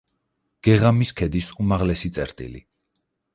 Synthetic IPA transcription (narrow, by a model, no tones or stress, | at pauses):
ɡ̥ɛʁamiskʰɛd̪isumaʁlɛsit̪sʼɛɾt̪ʼḭlḭ